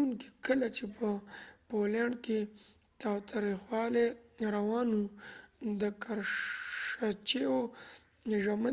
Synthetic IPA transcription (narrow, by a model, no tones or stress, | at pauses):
uŋki̥kəlat͡ʃepʰəpoljɑɳke | t̪ɑwt̪ʰaɾixwɑleɾawɑnu | d̪əkʰaɾ | at͡ʃeo | ʒama